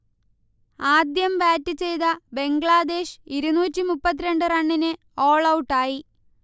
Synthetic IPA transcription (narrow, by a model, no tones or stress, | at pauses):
aːd̪jɐmbaːtːɨt͡ɕe̞jt̪ɐbe̞ŋɡɭaːd̪e̞ːʂiɾunuːtʲːimupːɐt̪̬ːiɾe̞ɳɖɨrɐɳːinɨ | o̞ːɭɐwʈːaːji